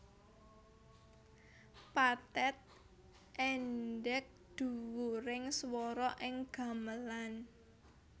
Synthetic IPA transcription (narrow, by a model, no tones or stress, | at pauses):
pat̪ɛt̪̚ | ʔɛnɖɛk̚d̪̥ṳwuɾɪŋswɔɾɔʔɪŋɡ̥a̤məlan